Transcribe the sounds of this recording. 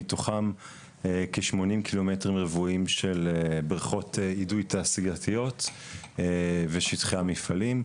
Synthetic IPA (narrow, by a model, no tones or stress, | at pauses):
toχam | ekeʃmo̞nimkʰilo̞metʁimʁevuimʃelebʁaχo̞teidujtaːsiɡatʰijo̞tː | veʃitχeamifalim